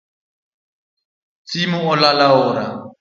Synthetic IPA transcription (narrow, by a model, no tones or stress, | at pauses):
t͡sʼimʊʊlalaʊːɾa